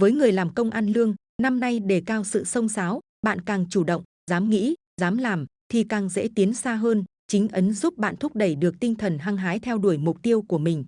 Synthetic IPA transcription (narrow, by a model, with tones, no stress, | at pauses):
vəː˨˦jŋɨ˨˩əjlaː˨˩mkə˧wŋ͡mʔaː˧nlɨ˧əŋ | na˧mna˧jɗe˧˩kaː˧wsɨ̰˧˨sə˧wŋ͡msaː˨˦w | ɓa̰ː˧˨nkaː˨˩ŋt͡ɕu˧˩ɗə̰˧˨wŋ͡m | zaː˨˦mŋḭ˧˥ | zaː˨˦mlaː˨˩mt̪ʰi˨˩kaː˨˩ŋzḛ˧˥t̪i˨˦nsaː˧ɦəː˧nt͡ɕï˨˦ŋ̟ʔə˨˦nzu˦˥p̚ɓa̰ː˧˨nt̪ʰʊ˦˥p̚ɗə˧˩jɗɨ˨˩ək̚t̪ï˧ŋ̟t̪ʰə˨˩nɦaː˧ŋɦaː˨˦jt̪ʰɛ˧wɗu˧˩əjmʊ˨˩k͡p̚t̪i˧əwku˧˩əmï˨˩ŋ̟